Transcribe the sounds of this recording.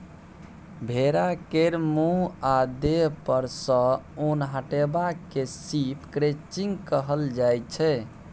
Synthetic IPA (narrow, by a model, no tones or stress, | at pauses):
bʱeɾakeɾmũad̪eɦpəɾsə̃unɦəʈebakesipkɾet͡ʃiŋɡkəɦəld͡ʒajt͡ʃʰɛ